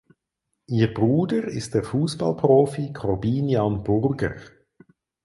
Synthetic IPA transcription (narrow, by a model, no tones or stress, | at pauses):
ʔiːʁbʁuːdəʁɪ̰st̚d̥eːɐfuːsb̥ɑ̰lpʁoːfikʰɔʁbiːnjɑnbʊʁɡə̰ʁ